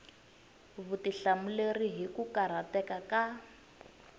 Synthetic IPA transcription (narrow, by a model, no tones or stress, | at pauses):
βutiɬamuleriɦikukaɾ̤atɛkaka